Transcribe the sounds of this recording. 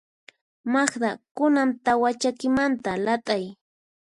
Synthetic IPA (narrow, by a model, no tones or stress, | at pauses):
maχd̪akʊnamt̪awat͡ʃakɪmant̪alat̪ʼaj